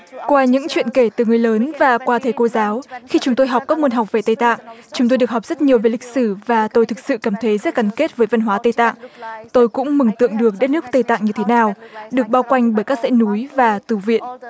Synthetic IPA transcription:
kwaː˧ɲɨ̰˧˥ŋt͡ɕwḭ˧˨ənke˧˩t̪ɨ˨˩ŋɨ˨˩əjləː˨˦nvaː˨˩kwaː˧t̪ʰe˨˦jko˧zaː˨˦wxi˧t͡ɕʊ˨˦ŋ͡mt̪o˧jɦa˨˩wk͡p̚kaː˦˥k̚mu˧ənɦɔ˨˩wk͡p̚ve˨˩t̪ə˧˩jt̪a̰ː˧˨ŋt͡ɕʊ˨˦ŋ͡mt̪o˧jɗɨ˨˩əkhk͡p̚z̥ə˦˥t̚ɲi˨˩əwve˨˩li˨˩k̟̚sɨ˧˩vaː˨˩t̪o˧jt̪ʰɨ˨˩k̚sɨ̰˧˨kaː˧˩mt̪ʰə˨˦jzə˦˥t̚ka˧˩nke˦˥t̚vəː˨˦jvə˧nɦwaː˨˦t̪ə˧jt̪a̰ː˧˨ŋt̪o˧jkʊ̰˧˥ŋ͡mmɨ˨˧˩ŋt̪ɨ̰˧˨əŋɗɨ˨˩ək̚ɗə˦˥t̚nɨ˦˥ək̚t̪ə˧jt̪a̰ː˧˨ŋɲɨ˧t̪ʰe˨˦naː˨˩wɗɨ˨˩ək̚ɓaː˧wkwa˧jŋ̟ɓəː˧˩jkaː˦˥k̚zɛ̰˧˥nu˨˦jvaː˨˩t̪ɨ˧˩vḭ˧˨ən

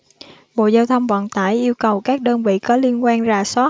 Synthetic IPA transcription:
ɓo̰˧˨zaː˧wt̪ʰə˧wŋ͡mvə̰˧˨nt̪aː˧˩jʔi˧əwkə˨˩wkaː˦˥k̚ɗəː˧nvḭ˧˨kɔ˨˦li˧ənkwaː˧nzaː˨˩sɔ˦˥

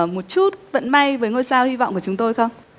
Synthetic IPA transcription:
mo˨˩t̚t͡ɕu˦˥t̚və̰˧˨nma˧jvəː˨˦jŋəː˧jsaː˧whi˧vɔ̰˧˨ŋ͡mku˧˩ət͡ɕʊ˨˦ŋ͡mt̪o˧jxə˧wŋ͡m

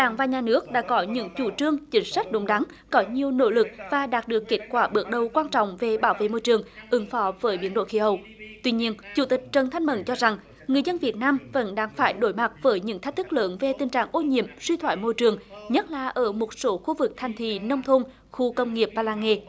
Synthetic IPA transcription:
ɗa̰ː˧˩ŋvaː˨˩ɲaː˨˩nɨ˦˥ək̚ɗa̰ː˧˥kɔ˨˦ɲɨ̰˧˥ŋt͡ɕu˧˩t͡ɕɨ˧əŋt͡ɕï˨˦ŋ̟sa˦˥k̟̚ɗʊ˨˦ŋ͡mɗa˨˦ŋ | kɔ˨˦ɲi˨˩əwno̰˧˥lɨ˨˩k̚vaː˨˩ɗaː˨˩t̚ɗɨ˨˩əkːe˦˥t̚kwaː˧˩ɓɨ˨˩ək̚ɗə˨˩wkwaː˧nt͡ɕɔ̰˧˨wŋ͡mve˨˩ɓaː˧˩wvḛ˧˨mo˧jt͡ɕɨ˨˩əŋʔɨ˨˦ŋfɔ˨˦vəː˨˦jɓi˨˧˦ənɗo̰˧˨xi˧˦ɦə˨˧˩w | t̪wi˧ɲi˧ənt͡ɕu˧˩t̪i˨˩k̟̚t͡ɕə˨˩nt̪ʰa˧jŋ̟mə̰˧˨nt͡ɕɔ˧za˨˩ŋ | ŋɨ˨˩əzə˧nvi˨˩ət̚naː˧mvə̰˧˥nɗaː˧ŋfaː˧˩jɗo˧˦jma˨˩t̚vəː˨˦jɲɨ̰˧˥ŋt̪ʰe˦˥k̚t̪ʰɨ˦˥k̚ləː˨˦nve˨˩t̪ï˨˩ŋ̟t͡ɕa̰ː˧˨˩ŋʔo˧ɲḭ˧˨əmswi˧t̪ʰwa̰ː˧˨jmo˧jt͡ɕɨ˨˩əŋɲə˦˥t̚laː˨˩ʔəː˧˩mo˨˩t̚so˨˦xu˧vɨ˨˩k̚t̪ʰa˨˩jŋ̟t̪ʰḭ˧˨nə˧wŋ͡mt̪ʰo˧n | xu˧kə˧wŋ͡mŋi˨˩əp̚vaː˨˩laː˧˩nŋḛ˨

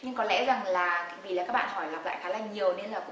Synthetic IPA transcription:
ɲɨ˧ŋkɔ˨˦lɛ̰˧˥za˨˩ŋlaː˨˩˧vi˨˩laː˨˩kaː˦˥ɓa̰ː˧˨nhɔ˧˩jlaː˨˩k͡p̚la̰ː˧˨jxaː˨˦laː˨˩ɲi˨˩əwne˧nlaː˨˩kʊ̰˧

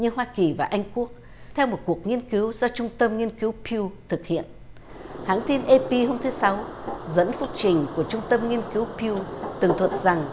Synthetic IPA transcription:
ɲɨ˧ɦwaː˧ki˨˩vaː˨˩ʔa˧jŋ̟ku˦˥ək̚ | t̪ʰɛ˧wmo˨˩t̚ku˨˩ək̚ŋi˧ənki˨˦wzɔ˧t͡ɕʊ˧ŋ͡mt̪ə˧mŋi˧ənki˨˦wpʰi˧wt̪ʰɨ˨˩k̚hḭ˧˨ən | ha̰ː˧˥nt̪i˧nʔe˧pi˧ɦo˧mt̪ʰɨ˨˦sa˨˦wzə̰˧˥nfʊ˦˥k̚t͡ɕï˨˩ŋ̟ku˧˩ət͡ɕʊ˧ŋ͡mt̪ə˧mŋi˧ənki˨˦wpi˧wt̪ɨ˨˩ŋt̪ʰwə˨˩t̚za˨˩ŋ

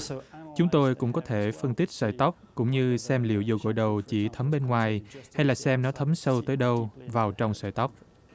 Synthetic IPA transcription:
t͡ɕʊ˨˦ŋ͡mt̪o˧jkʊ̰˧˥ŋ͡mkɔ˨˦t̪ʰe˧˩fə˧nt̪i˦˥k̚sə̰˧˩jt̪ɔ˦˥wk͡p̚kʊ̰˧˥ŋ͡mɲɨ˧sɛ˧mlḭ˧˨əwzo˨˩ɣo̰˧˨jɗə˨˩wt͡ɕḭ˧˩t̪ʰə˨˦mɓe˧nŋwaː˨˩jha˧jlaː˨˩sɛ˧mnɔ˨˦t̪ʰə˨˦msə˧wt̪əː˨˦jɗə˧wvaː˨˩wt͡ɕɔ˧wŋ͡msə̰ː˧˩jt̪ɔ˦˥wk͡p̚

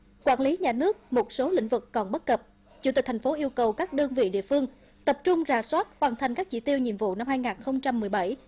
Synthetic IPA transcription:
kwaː˧˩nli˨˦ɲaː˨˩nɨ˦˥ək̚mo˨˩t̚so˨˦lḭ̈˧˥ŋ̟vɨ˨˩kːɔ˨˩nɓə˦˥t̚kə˨˩p̚ | t͡ɕṵ˧˥˩i˨˩t̪ʰa˨˩ŋ̟fo˨˦ʔi˧əwkə˨˩wkaː˦˥k̚ɗəː˧nvḭ˧˨ɗḭ˧˨əfɨ˧əŋ | t̪ə˨˩p̚t͡ɕʊ˧ŋ͡mzaː˧˩swaː˦˥t̚hwaː˨˩nt̪ʰa˨˩jŋ̟kaː˦˥k̚t͡ɕḭ˧˩t̪i˧əwɲḭ˧˨mvṵ˧˨na˧mhaː˧jŋaː˨˩nxə˧wŋ͡mt͡ɕa˧mːɨ˨˩əjɓa˧˩j

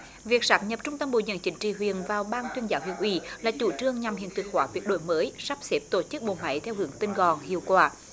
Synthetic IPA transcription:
vi˨˩k̚saː˦˥p̚ɲə˨˩p̚t͡ɕʊ˧ŋ͡mt̪ə˧mɓo̰˧˨ɲə̰˧˩˥nt͡ɕï˨˦ŋ̟t͡ɕḭ˧˨˩wi˨ənvaː˨˩wɓaː˧nt̪wi˧ənzaː˨˦whwḭ˧˨˩ənʔwḭ˧˩laː˨˩t͡ɕu˧˩t͡ɕɨ˧əŋɲa˨˩mhḭ˧˨ənt̪ɨ˨˩k̚xwaː˨˦vwi˨˦˥ət̚ɗo̰˧˨jməː˨˦jsa˦˥p̚se˦˥p̚t̪o˧˩t͡ɕɨ˦˥k̚ɓo̰˧˨˩ma̰˧˦jt̪ʰɛ˧wɦɨ˧˩˦əŋt̪i˧nɣɔ˨˩nhḭ˧˨əwkwaː˧˩

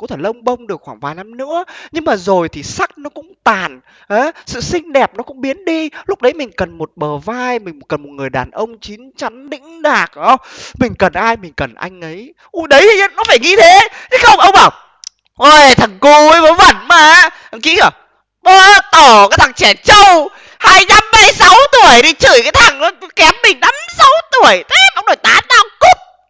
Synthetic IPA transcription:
kṵ˧˥t̪ʰe˧˩lə˧wŋ͡mɓə˧wŋ͡mɗɨ˨˩əkxwaː˧˩ŋvaː˨˩jna˧mnɨ̰˧˥əɲɨ˧ŋmaː˨˩zo˨˩jt̪ʰi˨˩sa˦˥k̚nɔ˨˦kʊ̰˧˥ŋ͡mt̪aː˨˩n | ʔaː˨˦sɨ̰˧˨sï˧ŋ̟ɗɛ˨˩p̚nɔ˨˦kʊ̰˧˥ŋ͡mɓi˨˦ənɗi˧lʊ˦˥k͡p̚ɗə˨˦jmï˨˩ŋ̟kə˨˩nmo˨˩t̚ɓəː˨˩vaː˧jmï̟˨˩˨kə˨˩nmo˨˩t̚ŋɨ˨˩əjɗaː˨˩nʔə˧wŋ͡mt͡ɕi˨˦ŋt͡ɕa˨˦nɗḭ̈˧˥ŋ̟ɗaː˨˩k̚ʔɔ˧˦mï˨˩ŋ̟kə˨˩nʔaː˧jmï˨˩ŋ̟kə˨˩nʔa̰˧jŋ̟ʔə˨˦j | ʔu˧˩ɗə˨˦ji˨˧ə˨˧˦nɔ˨˦faː˧˩jŋi˧t̪ʰe˨˦t̪ʰi˨˦xə˧wŋ͡mə˧wŋ͡mɓaː˧˩w | ʔo˧˨t̪ʰa˨˩ŋku˧˩ə˨˦jvəː˨˦jvə̰˧˩nmaː˨˩ | ə˧˩kḭ˧˥ə˧˩ | ɓəː˧˩t̪o˧˩kaː˨˦jt̪ʰa˨˩ŋt͡ɕɛ˧˩t͡ɕə˧w | haː˧jna˧mːaː˧jsa˨˦wt̪u˧˩əjt̪i˧˩t͡ɕɨ˧˩jkaː˨˦jt̪ʰa˨˩ŋnɔ˨˦˨kɛ˨˦mːï˨˩ŋ̟na˨˧˦msa˨˦wt̪u˧˩əjt̪ʰe˨˦˧mʔə˧wŋ͡mɗo˧˩jt̪aː˨˦taː˧ku˦˥p̚

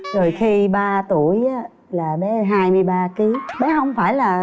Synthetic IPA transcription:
zo˨˩jxi˧ɓaː˧t̪u˧˩əjʔaː˨˦ | laː˨˩ɓɛ˨˦ɦaː˧jmɨ˧əjɓaː˧ki˨˦ɓɛ˨˦hə˧wŋ͡mfaː˧˩jlaː˨˩

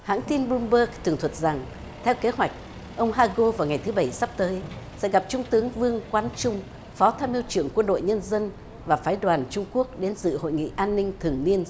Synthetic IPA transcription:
ha̰ː˧˥ŋt̪i˧nɓu˧mɓəː˧˥k̚t̪ʰɨ˨˩əŋt̪ʰwə˨˩t̚za˨˩ŋ | t̪ʰɛ˧wke˨˦ɦwa˨˩jk̟̚ | ʔə˧wŋ͡mɦaː˧ɣo˧vaː˨˩wŋa˨˩jt̪ʰɨ˨˦ɓə˧˩jsa˦˥p̚t̪əː˨˦jsɛ̰˧˥ɣa˨˩p̚t͡ɕʊ˧ŋ͡mt̪ɨ˨˦əŋvɨ˧əŋkwaː˧nt͡ɕʊ˧ŋ͡m | fɔ˨˦t̪ʰaː˧mʔi˧əwt͡ɕɨ˧˩əŋkwə˧nɗo̰˧˨jɲə˧nzə˧n | vaː˨˩faː˨˦jɗwaː˨˩nt͡ɕʊ˧ŋ͡mku˦˥ək̚ɗe˨˦nsɨ̰˧˨ho̰˧˨jŋḭ˧˨ʔaː˧nːï˧ŋ̟t̪ʰɨ˨˩əŋni˧ən

